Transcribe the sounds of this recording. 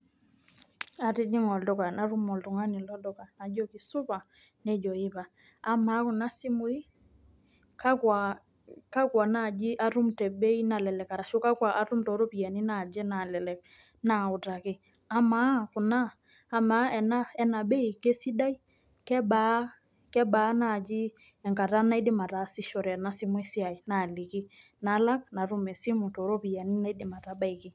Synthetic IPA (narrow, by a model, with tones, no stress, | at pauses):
a˨tɪ˦d͡ʒɪ˦ŋɔ˨dɔ˦˨ka˨na˨ɾʊ˦mɔ˨ltʊ˨ŋa˦nɪ˨lɔ˦dɔ˦˨ka˨na˨d͡ʒɔ˦kɪ˨sʊ˦pa˨ | nɛ˦d͡ʒɔ˨ɪ˦pa˨ | a˦ma˨˦kʊ˨na˦sɪ˦mʊ˨˦i˦ | ka˦kwa˨ | ka˦kwa˨na˦˨d͡ʒɪ˦ʔa˦ɾu˦mtɛ˨be˦i˦na˨lɛ˨lɛ˨ka˨ɾa˨ʃʊ˦ka˦kwa˨ʔa˦ɾʊ˦m̩tɔ˨˦ɾo˦pi˨a˨ni˦na˨d͡ʒɛ˦na˨lɛ˨lɛ˨k̚ | na˨ʊ˨ta˨kɪ˦ | a˦ma˦kʊ˨naː˦ | ma˨˦ɛ˨na˦ɛ˦na˨ɓɛ˦i˨ke˦si˦ɗa˦i˦ | kɛ˦ɓa˦ | kɛ˦ɓa˨˦na˨d͡ʒɪ˦ | ɛ˨ŋka˨ɾa˦na˦i˦dɪ˦ma˨ɾa˨˦sɪ˦ʃɔ˨ɾɛ˨na˦sɪ˦mwɛ˦sɪ˦a˨i˨na˨lɪ˨kɪ˦ | na˨˦la˦kna˨ɾu˦mɛ˨si˦mu˨tɔ˨˦ɾɔ˦pi˨ja˨ni˦na˦i˦dɪ˦˨ma˨ɾa˦ɓa˦i˨kɪ˦